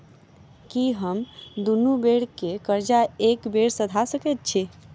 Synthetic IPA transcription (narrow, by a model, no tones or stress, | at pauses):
kiɦəmd̪unubeɽkekəɾd͡ʒaekbeɽsəd̪ʱasəkɛt̪̚t͡ʃʰi